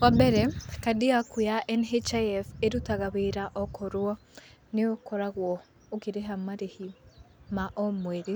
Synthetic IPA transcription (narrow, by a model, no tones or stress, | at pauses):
wabɛɾɛkadiakujaʔɛnɦet͡ʃaɛfeɾutaɣaβeɾaʔɔkʰɔɾwɔ | neɔkɔɾaɣwɔ | okiɾeɦamaɾehimaʔɔmwɛɾi